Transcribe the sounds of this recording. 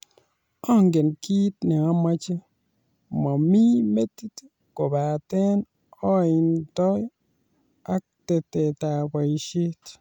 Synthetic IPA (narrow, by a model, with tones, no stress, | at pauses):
ɔ˦˨ŋɡe˨nki˦t̚ne˨a˦ma˦t͡ʃe˦ | ma˨mi˦me˦ti˦t | ko˨ba˨te˦n | ɔ˦˨i˨ntɔ˦j | a˦ | te˨te˨ta˨ba˨ʃi˦t